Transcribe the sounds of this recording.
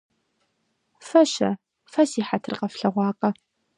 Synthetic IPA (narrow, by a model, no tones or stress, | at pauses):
fɐʃɐ | fɐsiːħatʰɨrqʼɐfɬɐʁʷɑːqʼɐ